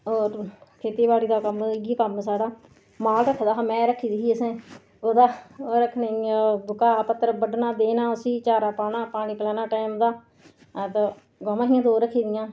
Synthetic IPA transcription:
oːɾkʰeːt̪eːbaːɽiːd̪aːkəmɡiːkəmsaːɽaː | maːlɾəkʰːd̪aːɦaːmɛ̃ːɾəkʰːiːd̪iːɦiːəsẽː | oːd̪aːɾəkʰːneːbʊkaːpət̪ːəɾbəɖnaːd̪eːnãːʊsiːt͡ʃaːɾaːpaːnaːpaːɽ̃iːpəlɛːnaːʈaːimd̪aː | t̪a | ɡoːmãːɦijãːd̪oːɾəkʰːiːd̪ɪjãː

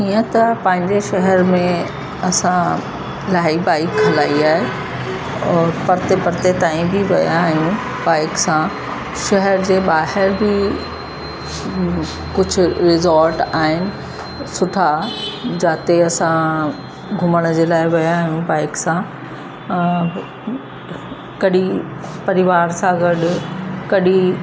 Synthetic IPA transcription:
iːə̃t̪ɐpɐ̃ɦɪ̃ɲd͡ʑeʃɐɦəɾmẽ | ɐsã | laːibaːɪkɦɐlaːiaːɦe | ɔːɾpɐɾt̪epɐɾt̪et̪aːĩbʱiʋɐ̰jãːɦijũ | baːɪksã | ʃɐɦəɾd͡ʑeːɓaːɦɪɾbʱi | kʊd͡ʑʱʊ̆ɾɪzɔɾʈaːɦɪnɪ̆ | sʊʈʰad͡ʑaːt̪eɐsã | ɡʱʊməɽ̃d͡ʑeːlaːɪʋɐjãːɦijũbaːɪksã | kɐɗipɐɾɪʋaːɾsãɡɐɗkɐɗi

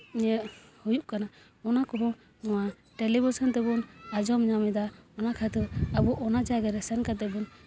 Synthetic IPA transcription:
iɲɛhujuʔkana | ɔnakɔɦɔ | ɔwa | ʈɛlibusɔnt̪ɛbunad͡ʒɔmɲamɛd̪aɔnakʰat̪ɔabuʔɔnad͡ʒaɡaɾɛsɛnkat̪ɛbun

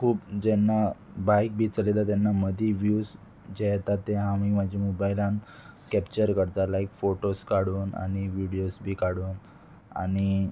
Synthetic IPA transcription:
kʰuːpd͡ʑɛnːabajk̚bʱiːt͡səlelat̪janːaməd̪ʱiːʋjuːs | d͡ʑeɦɛt̪at̪ːeamiməd͡ʑimobajlãn | kɛpt͡ɕəɾkəɾt̪alaikfoʈoskaɽuːna̰ɽ̃iʋiɽijosbʱiːkaɽuːn | a̰ɽ̃i

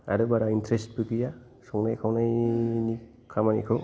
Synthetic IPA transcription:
a̰ɾɯbaɾaintɾest̚pɯkija | sɔŋnajkʰawnajni | kʰamanikʰɯ

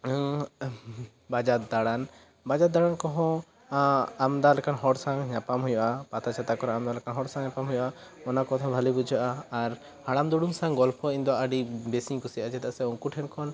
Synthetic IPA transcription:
bad͡ʒat̪̚d̪aɽan | bad͡ʒat̪̚d̪aɽankɔɦɔ̃ | amd̪alɛkanɦɔɽsaŋɲapamɦujɔʔapat̪ʰat͡ʃʰat̪akɔɾaamd̪alɛkanɦɔɽsaŋɲapamɦujɔʔa | ɔnakɔt̪ʰɔ̃bʱalibud͡ʒʱɔʔaːɾ | haɽamd̪uɽumsãŋɡɔlpʰɔĩnd̪ɔaɖibesiɲkusiaʔad͡ʒɛt̪aʔsɛɔŋkuʈʰɛnkʰɔn

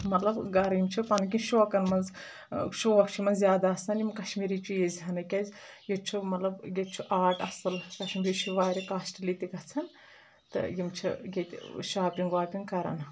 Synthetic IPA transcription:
mɐt̪lɐbɡɐɾjimt͡ʃʰipɐnk̬ʲinʃoːkɐnmɐnz | ʃuʋɐkt͡ʃʰumɐnzjaːd̪aɐsɐnimkɐʃmiɾiːt͡ʃʰujezʲɦɐnɐkʲɐzʲjit͡ʃʰumɐt̪lɐbɡett͡ʃʰuʔaːʈɐsɨlkɐʃmʲɾit͡ʃʰuʋaːɾʲikaːsʈilit̪ʲiɡɐt͡sʰɐn | t̪ɨ̰jimt͡ʃʰḭɡʲet̪ʲʃaːpʲiŋɡaːpʲinkɐɾɐ̰n

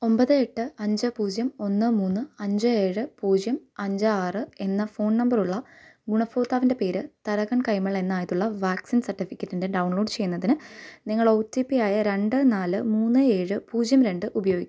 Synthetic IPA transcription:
o̞mbɐðɨe̞ʈːɨɐɲd͡ʑɨpuːd͡ʑjɐmo̞nːɨmuːnːɨɐɲd͡ʑɨe̞ːɻɨpuːd͡ʑjɐmɐɲd͡ʑɨaːrɨe̞nːɐfo̞ːɳnɐmbɐruɭːɐɡuɳɐfoːt̪ːaːʋinde̞pe̞ːɾɨt̪ɐɾɐɣɐɳkɐjmɐɭe̞nːaːjit̪ːuɭːɐʋaːksinsɐrʈːifikʲːɐtːindeɖɐwɳɭo̞ːɖt͡ɕe̞jːunːɐðinɨniŋːɐɭoːtːiːpːijaːjɐɾe̞ɳɖɨnaːlɨmuːnːɨe̞ːɻɨpuːd͡ʑjɐmɾe̞ɳɖɨʔubɐjo̞ːɡikʲːm

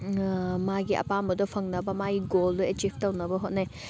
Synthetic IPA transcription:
maɡiʔɐ̰pambɐdɔpʰɐŋnɐbɐmaɡiɡoldɔet͡ʃibʰtɐwnɐbɐɦot̚naj

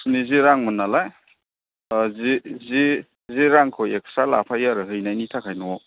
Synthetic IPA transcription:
niziɾaŋmɯnalaj | zizi | ziɾaŋkʰɔjek̚sala̰pʰajaɾɯɦɯjnajnitʰakʰajnɔ

